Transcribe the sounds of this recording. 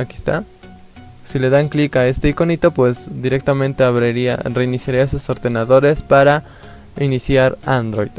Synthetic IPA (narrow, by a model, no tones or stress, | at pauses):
akist̪a̰ | sile̞ðaŋklikae̞st̪e̞iko̞nit̪o̞pwe̞zd̪iɾe̞k̚t̪amẽnt̪e̞aβɾeɾia̰re̞inisjaɾiasuso̞ɾðe̞naðo̞ɾe̞spaɾa | inisjaɾand̪ɾojd̪̥